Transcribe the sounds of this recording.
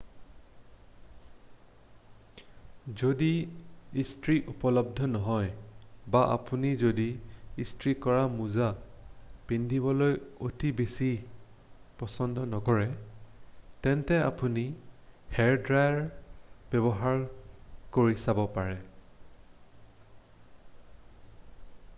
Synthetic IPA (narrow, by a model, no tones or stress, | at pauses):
zodiː | stɹiʔupɔlɔb̚dʱɔnɔɦɔjbaʔa̰punizodiːstɹikɔɹamuza | pindʱibɔlojotibesi | pɔsɔndʱɔnɔkɔɹɛ | tɛntɛa̰punihɛɹdɹajɹb̥ɛβɔɦaɹkoɹisabɔpaɹɛ